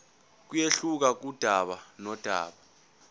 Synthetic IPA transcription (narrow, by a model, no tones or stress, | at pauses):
k̬ujeɬuk̬ak̬ud̥ʱaɓanɔd̥ʱa̰ːɓa